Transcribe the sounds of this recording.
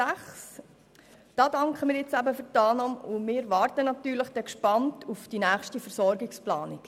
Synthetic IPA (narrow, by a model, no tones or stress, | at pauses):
æχs | d̥ɑːdɑŋkχəmɪːɾjɪt͡sæbəfʏtɑːlnɑːmʊmɪːʋɑːrtənɑtyːɾləχd̥ɛkʃpɑntufd̥inæːχʃtifəɾsɔɾɡɪksplɑːnɪk